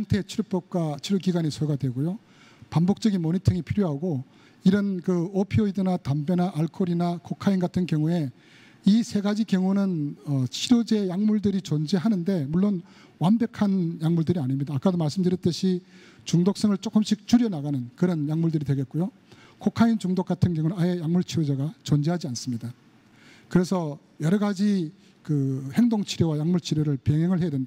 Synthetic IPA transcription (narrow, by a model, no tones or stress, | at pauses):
aŋtʰe̞t͡ɕʰiɾop͈ʌp̚k͈wat͡ɕʰiɾokiɡaɲisʰoɡadwe̞ɡojo | pambok̚t͡ɕʌɡinmoɲitʰɯŋipʰiɾjoɦaɡo | iɾʌnkɯopʰioidɯnatambenaʔaɭkʰoɾinakʰokʰainɡatʰɯnkjʌŋue̞ | isʰe̞ɡad͡ʑikjʌŋunɯnʌt͡ɕʰiɾod͡ʑe̞jaŋmuɭdɯɾit͡ɕʌnd͡ʑeɦanɯnde̞muɭːon | wambe̞kʰanjaŋmuɭdɯɾiaɲimɲidaːk͈adomaɭs͈ɯmdɯɾjʌt͈ɯɕʰi | t͡ɕuŋdok̚s͈eŋɯɭt͡ɕ͈ok͈ɯmɕ͈ʰik̚t͡ɕuɾjʌnaɡanɯnkɯɾʌnjaŋmuɭdɯɾidweɡe̞t̚k͈ujo | kʰokʰaint͡ɕuŋdok͈atʰɯnkjʌŋuajejaŋmuɭt͡ɕʰiɾjod͡ʑeɡat͡ɕond͡ʑeɦad͡ʑians͈ɯmɲida | kɯɾe̞sʰʌ | jʌɾʌɡad͡ʑi | kɯhe̞ŋdoŋt͡ɕʰiɾjowajaŋmuɭt͡ɕʰiɾjoɾɯɭpeŋɦeŋɯɭɦe̞jadwend